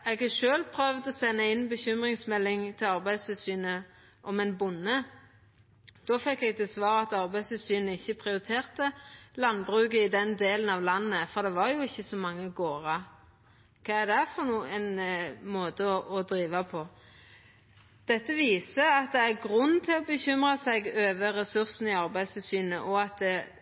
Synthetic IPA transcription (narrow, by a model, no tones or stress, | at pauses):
ɛːɡɑʃøːlpʰʁœʋd̪ɔsɛnːəɪnːbəçʏmʁɪŋsmɛlːɪŋt̪ʰɪlɑʁbæɪst̪ʰɪlsyːnə | ʔɔmɛnbʊnːə | d̪̥ɔfɛkːɛɡ̚t̪ʰɛsʋɑːɾəɑt̪ɑʁbæɪst̪ɪlsyːnəɪçːəpʰʁɪʊɾɪt̪ʰeːʁt̪əlɑnbʁʉːkəɪd̪ɛnd̪eːlənɑʋlɑnːəfɔʁd̪ɛʋɑɾjʊɪçːəsɔmɑŋːəɡoːɾɑ | kʰɑːæʁd̪ɛfɔʁnuːɛnmoːt̪əɔʔɔd̪ɾiːʋɑpʰɔ | d̪̥ɛt̪ːəʋiːsəɑt̪̚d̪ɛæɾɡʁʉnːt̪ʰɪlɔbəçʏmʁɑsɛɡøːʋəɾɛsʉʁsn̩ɪɑʁbæɪst̪ʰɪsyːnəʔɔɑt̪̚d̪ɛ